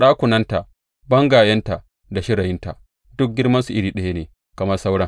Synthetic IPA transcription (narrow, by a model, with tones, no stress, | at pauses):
ɗaː˦kʷʊ˨nɐ˦nta˨ʔ | bɐ˦ŋɡaː˨jɐ˦nta˨ʔ | da˨ʃɪ˦ɽɐ˨jɪ˦nta̰˨ | dʊ˦k̚ɡʲɪ˦rmɐ˦nsu˨ʔɪ˦ɾiː˨ɗɐ˦ja˦neː˨ | kɐ˨mɐ˦rsa˦wɽɐ˦ŋ